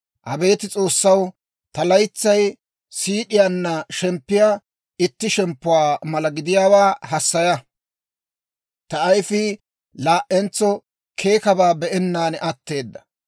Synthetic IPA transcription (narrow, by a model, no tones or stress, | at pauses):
ʔɐbe̞ːt̪ɪt͡sʼo̞ːsːɐw | t̪ɐlɐjt͡sːɐj | siːɗɪjaːnːɐʃɛmpːɪja | ɪt̪ːɪʃɛmpːʊwaːmɐlɐɡɪd̪ɪjaːwaːhɐsːɐjɐ | t̪ɐːjfɪ | laːʔɛnt͡sːɔ | kʰe̞ːkɐbaːbɛʔɛnːaːnʔɐt̪ːe̞ːd̪ːɐ̥